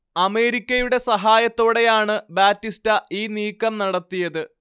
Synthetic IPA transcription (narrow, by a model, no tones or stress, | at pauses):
ɐme̞ːɾikʲːɐjuɽe̞sɐɦaːjɐt̪ːo̞ːɽe̞jaːɳɨbaːtːistɐiːniːkːɐmnɐɽɐt̪ːijɐðɨ